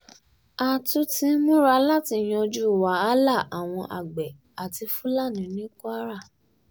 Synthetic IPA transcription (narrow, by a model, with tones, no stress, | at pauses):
a˨tu˦tĩ˦mũ˦ɾa˧˦la˦ti˧˨j̃ɔ̃˧d͡ʒu˦˨waː˨˦la˦˨a˨w̃ɔ̃˧ʔa̰˨ɡ͡bɛ˨ | a˨ti˧fu˦la˦˨nĩ˨nĩ˦kɾa˦˨